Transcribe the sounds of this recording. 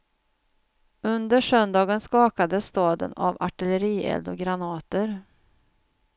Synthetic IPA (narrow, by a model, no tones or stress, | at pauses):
ɵnd̪əʂœnd̪ɑːɡənskɑːkad̪əsːt̪ɑːd̪ə̰na̰va̰ʈɪləɾiːɛ̰ld̪ɔɡɾanɑːt̪əɾ